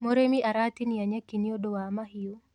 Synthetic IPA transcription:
moɾemiʔaɾat̪iniaɲakiniodowamaɦio

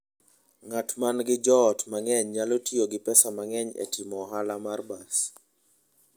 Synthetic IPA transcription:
ŋatmanɡɪd͡ʒɔːtmaŋɛɲɲalotioɡɪpɛsamaŋɛɲɛ̰tʰɪmɔɦalamarbas

